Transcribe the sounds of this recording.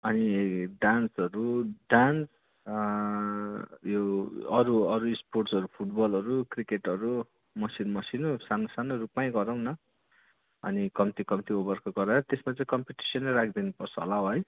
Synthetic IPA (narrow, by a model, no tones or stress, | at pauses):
ʌniɖansʌɾuɖans | joʌɾuʌɾusporʈsʌɾupʰuʈbʌlʌɾukrikeʈʌɾu | mʌsinmʌsinusanosanorupmaj̃ɡʌɾʌw̃nʌ | ʌ̰nikʌmt̪ikʌmt̪iobʌrkoɡʌɾaɾʌt̪esmat͡saĩkʌmpiʈi̥sʌnːaɾakʰd̪inupʌrt͡sʰʌɦo̰laɦʌj